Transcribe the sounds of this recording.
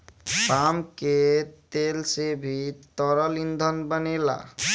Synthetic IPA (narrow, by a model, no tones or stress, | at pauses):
pamket̪elsebʱit̪ɔɾəlind̪ʱənbənela̰